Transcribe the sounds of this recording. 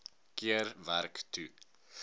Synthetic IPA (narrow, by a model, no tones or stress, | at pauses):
kiərværktu